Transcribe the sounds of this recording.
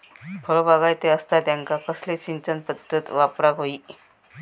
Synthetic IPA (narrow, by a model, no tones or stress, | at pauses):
bʰʱɔɭobaɣajt̪eəst̪ad̪aŋkakəslet͡ɕint͡ɕənpət̪ːət̪ʋapɾaɡʱoi